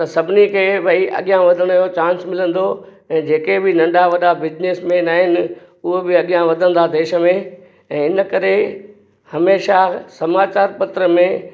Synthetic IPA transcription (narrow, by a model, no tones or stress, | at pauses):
t̪ɐsɐbʱɪnikʰeːbɐiʔɐ̰ɠijãʋɐd̪ʱəɽ̃ʊjot͡ɕãːnsmɪlə̃nd̪o | ɛ̃ːd͡ʑeːkebɪnɐ̃ɳɖaʋɐɗabɪd͡ʑneːsmẽnaːɦɪnɪ̆ | ʊɦebɪɐɠijãʋɐd̪ʱə̃nd̪ad̪eːʃə̆mẽ | ɛ̃ːɪnəkɐɾe | hɐmeːʃasɐmaːt͡ɕaːɾpɐt̪ɾəmẽ